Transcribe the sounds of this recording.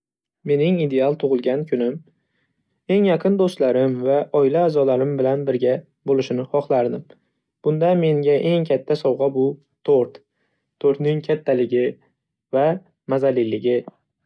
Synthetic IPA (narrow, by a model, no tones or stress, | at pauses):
me̞nɪŋid̪e̞alˠt̪ʰʊʁɨlˠɡʲankʲʰʊnɪm | e̞ŋjɑqʰɨnd̪ost̪laɾɪmvaʔɒɪlaːzɒlaɾɪmbɪlanbɪɾɡʲa | bolɪʃɪnɪχɒχlˠaɾd̪ɪm | b̥ʊnd̪ame̞ŋɡʲaʔe̞ŋkʲʰat̪ʰːasɒwʁɑbʊ | t̪ʰoɾt̪ | t̪ʰoɾt̪nɪŋkʲʰat̪ʰːalɪɡʲɪ | va | mazalilɪɡʲɪ